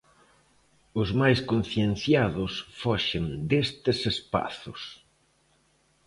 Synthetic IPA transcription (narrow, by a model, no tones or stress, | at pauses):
ʊzmajskon̟θjen̟θjaðʊsfɔʃend̪est̪ɪsespa̰θʊ̰s